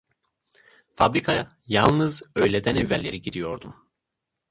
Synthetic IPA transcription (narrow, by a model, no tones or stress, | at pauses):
fabɾikʰa | jalˠnɯzø̞jlʲed̪ænevːælʲːe̞ɾiɟid̪ijo̞ɾd̪um